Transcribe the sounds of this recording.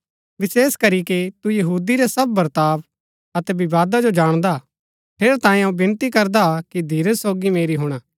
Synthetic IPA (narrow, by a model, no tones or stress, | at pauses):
ʋɪseːskɐɾikit̪ujɐɦuːd̪iɾesɐb̚ːɐɾt̪aːb | ɐt̪ɛbɪʋaːd̪ad͡ʒod͡ʒaːɽ̃d̪a | pʰeːɾt̪ãːẽɐũbɪ̃nt̪ikɐɾd̪akid̪ʱiːɾəsoːɡimeːɾiɦʊɽ̃aː